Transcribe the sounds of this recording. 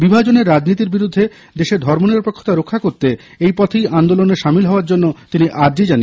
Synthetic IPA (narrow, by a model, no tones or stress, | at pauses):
bibʱad͡ʑoneɾːad͡ʑnit̪̬iɾbiɾud̪ʱːe | d̪eʃeɾd̪ʱɔɾmoneɾpɾokʰːo̥t̪aɾokʰːakoɾt̪e | ejpɔt̪ʰejʔand̪oloneʃamilɦɔoaɾd͡ʑonːot̪iniʔaɾd͡ʑid͡ʑane